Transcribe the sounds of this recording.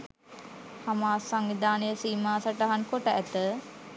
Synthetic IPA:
hamaːsaŋʋid̪ʱaːnəjəsiːmaːsaʈaɦankoʈəæt̪ə

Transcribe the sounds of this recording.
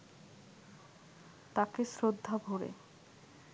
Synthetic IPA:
t̪akesɾod̪ʱːabʱoɾḛ

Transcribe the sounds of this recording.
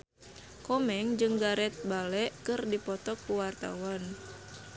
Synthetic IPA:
kɔmɛŋd͡ʒɨŋɡaɾɛt̪̚balɛʔkɨrdipɔt̪ɔkːuwart̪a̰wan

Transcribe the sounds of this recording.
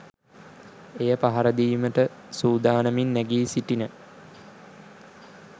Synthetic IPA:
ejəpaɦaɾəd̪iːməʈə | suːd̪aːnəminːæɡiːsiʈinə

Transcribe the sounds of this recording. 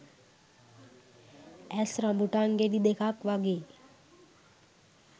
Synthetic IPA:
ɛsɾãmbuʈaŋɡeɖid̪ekʰakʋaɡe

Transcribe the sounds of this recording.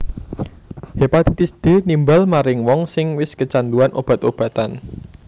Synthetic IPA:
hepat̪it̪ɪsd̪̥e̤nimbalmaɾɪŋwɔŋsɪŋwɪskət͡ʃand̪uanʔob̥a̤t̪ob̥ä̤t̪an

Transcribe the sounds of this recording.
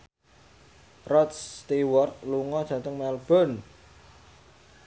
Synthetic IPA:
rɔt̪st̪iwɔrt̪̚luŋɔd̥ʒ̥ä̤t̪əŋmɛlb̥ɔ̤n

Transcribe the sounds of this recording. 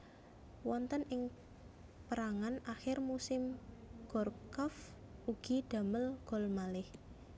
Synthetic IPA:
wɔnt̪ənʔɪŋ | pəɾaŋanaxɪrmusɪmɡ̥ɔrkɔf | uɡ̥iɖ̥a̤məlɡ̥ɔ̤lmalɪh

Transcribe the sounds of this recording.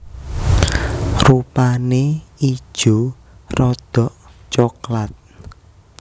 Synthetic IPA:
rupanei̥ʒ̥o̤ | rɔd̪̥ɔ̤ʔt͡ʃɔklat̪̚

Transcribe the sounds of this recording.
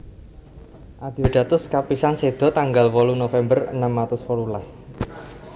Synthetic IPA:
ʔad̪̥i̤oɖ̪̥ä̤t̪ʊskapisansed̪̥ɔ̤t̪aŋɡalwɔlunofɛmbərə̰namlat̪ʊspɔlulas

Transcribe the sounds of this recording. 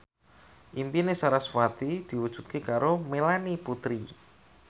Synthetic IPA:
ʔimpinesaɾasfat̪id̪̥i̤wud̥ʒ̥ṳ̥t̪̚kekaɾomelaniput̪ɾi

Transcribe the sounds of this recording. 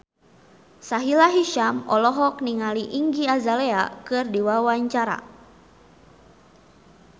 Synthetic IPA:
saɦilaɦiʃamɔ̰lɔɦɔk̚niŋaliʔiŋɡiazaleakɨrdiwawaɲt͡ʃaɾa̰

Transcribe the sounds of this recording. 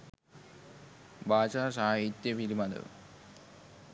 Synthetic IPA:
baːt͡ʃasaːɦit̪jɐpilimɐd̪ṵ

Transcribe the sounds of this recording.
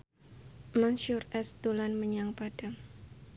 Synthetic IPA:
manʃʊrɛsd̪olanməɲaŋpad̥aŋ

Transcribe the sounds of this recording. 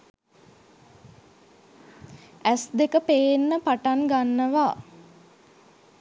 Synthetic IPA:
æsd̪ekəpeːnːəpaʈaŋɡanːəʋa

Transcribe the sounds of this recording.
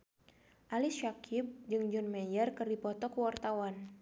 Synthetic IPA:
ʔalisʃakʰɪp̚d͡ʒɨŋd͡ʒɔnmɛjərkɨrdipɔt̪ɔkəwart̪awan

